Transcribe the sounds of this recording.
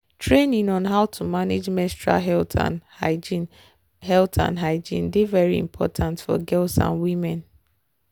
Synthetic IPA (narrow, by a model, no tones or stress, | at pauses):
tɹẽnĩnɔ̃nɦaʊtʰumaned͡ʒmɛstɹa̰ɦɛltʰa̰ai | hɛltʰã̰nɦaɪd͡ʒḭ̃ndevɛɹiḭ̃mpʰɔ̰tʰãntfɔ̰ɡɛltsã̰nwĩmɛ̃n